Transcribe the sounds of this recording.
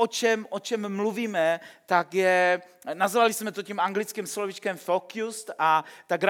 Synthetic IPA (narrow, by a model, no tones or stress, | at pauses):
ot͡ʃɛmʔot͡ʃɛmːluviːmɛt̪akjɛ | nazvalɪsmɛt̪ocimʔaŋɡlɪt͡skimslovit͡ʃkɛmfokjust̪at̪aɡɾ